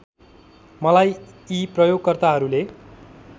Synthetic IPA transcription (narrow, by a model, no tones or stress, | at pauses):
mʌlajiprʌjoɡ̚kʌrt̪aɦʌɾule